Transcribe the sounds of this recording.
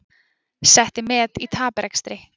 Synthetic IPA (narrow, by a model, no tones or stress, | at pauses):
sɛht̪ɪmɛːðit̪ʰaːpɾɛkst̪ɾɪ